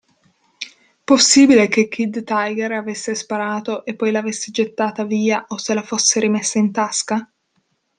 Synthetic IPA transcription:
posːiːbilek̟ek̟ːid̪t̪ajɡɛɾavesːespaɾaːt̪oʔepːɔjlaːvesːed͡ʒet̪ːaːt̪aviːaʔoselafosːeɾimesːaint̪aska

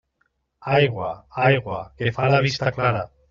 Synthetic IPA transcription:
ajɣwaajɣwakefaɾaβ̞ist̪aklaɾa

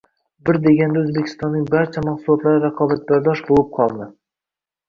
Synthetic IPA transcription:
bɪɾd̪e̞ɡʲand̪aɵzbekʲʰɪ̥st̪ɒnːɪŋbaɾt͡ʃʰamaqsulˠɒt̪lˠaɾɪɾaqʰɒːbat̪̚baɾd̪ɒʃbolˠɨp̚qʰɒlˠmɪ

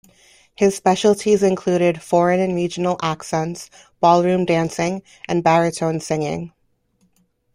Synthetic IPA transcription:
hɨz̥spɛʃl̩ˠtʰizɨ̃nkʰl̥ʉɾɪd̥fɔɹɨ̃nɨ̃nɹid͡ʒɨn̩l̩ˠʔæksɛ̃nts | b̥ɔlˠɹʉ̃mdæ̃nsɪ̃ŋ | ʔɨ̃nbæɹɨtʰõʊ̃nsɪ̃ŋɪ̰̃ŋ

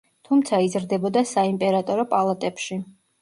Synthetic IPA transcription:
t̪ʰumt̪sʰaizɾd̪ɛbɔd̪asaimpʼɛɾat̪ʼɔɾɔpʼalˠat̪ʼɛpʃi

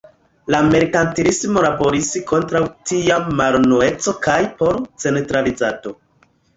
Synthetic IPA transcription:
lame̞ɾkantiɾismo̞labo̞ɾisko̞ntɾawtiamaɾnoe̞t͡so̞kajpo̞ɾt͡se̞ntɾalizato̞

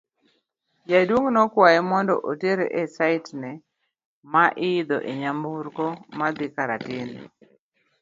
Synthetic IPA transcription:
jadwoŋnɔkwajɛmɔndɔ̰ʔoteɾeʔesaɪtnɛ | maʔɪɪd̪ɔʔeɲambuɾkɔmad̪ɪkaɾa̰tɪn

